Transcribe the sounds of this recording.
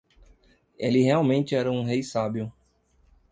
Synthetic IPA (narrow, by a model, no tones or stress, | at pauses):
elɪɦeawmẽnt͡ʃ̪ɪɛɾɐũɦejsabiʊ